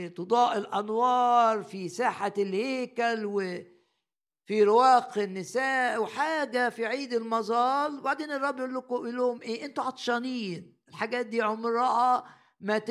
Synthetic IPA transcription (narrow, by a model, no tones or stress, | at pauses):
t̪od̪ˤɑːʔɪlʔænwɑːɾˤfisaːħalheːkælwɪ | fiɾɪwæːqɪnːɪsæːʔwħaːɡæfiʕiːd̪ɪlmɑzˤɑːlbaʕd̪eːnɨrˤːɑbːjʔulːʊkʊʔiloːmʔeːʔɪnt̪uʕɑt̪ˤʃɑːnijːn | ɪlħaɡæːt̪̚d̪iːʕomɾˤɑːʔɑ | mæt̪